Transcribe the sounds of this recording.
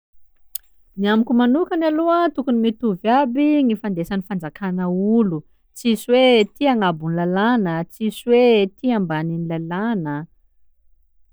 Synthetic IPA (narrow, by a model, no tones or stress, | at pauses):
niamikʲumanukanaloat̪ukunimit̪uvabiŋifand̪esanifand͡zakanəulu | t͡siswet̪iaŋabunlalanət͡siswet̪iambaninilalanə